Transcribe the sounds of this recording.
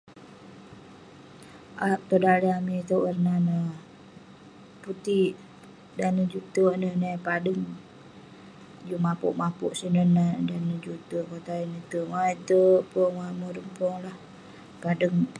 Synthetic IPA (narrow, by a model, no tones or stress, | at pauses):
ʔaʔt̪odaliamit̪əərnanə | put̪iʔ | danəd͡ʒut̪ənənəpadəŋ | d͡ʒumapṵʔmapuʔsinənədanəd͡ʒut̪əkot̪ainət̪əwait̪əpɔŋwamoɾəŋpɔŋlah | padəŋ